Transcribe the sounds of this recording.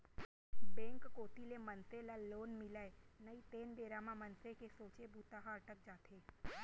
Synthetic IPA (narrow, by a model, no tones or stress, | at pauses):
bɛ̃ːŋkːoːt̪ilemɐnselaloːnmɪləenɐit̪eːnb̪eːɾamãmɐnsekesoːt͡ʃebuːt̪aɦaːɾʈɐk̚d͡ʒaːt̪ʰeː